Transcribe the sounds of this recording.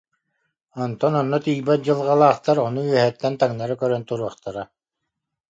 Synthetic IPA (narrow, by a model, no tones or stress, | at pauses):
ɔnt̪ɔnɔnːɔt̪ijbat̪̚d͡ʑɯlˠʁalˠaːχt̪aɾɔnuyɛɦɛt̪ːɛnt̪aŋnaɾakœɾœnt̪uɾuɔχt̪aɾa